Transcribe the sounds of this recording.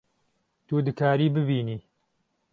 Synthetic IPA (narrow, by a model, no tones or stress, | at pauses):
t̪ud̪ɨkʰaːɾiːbɨbiːniː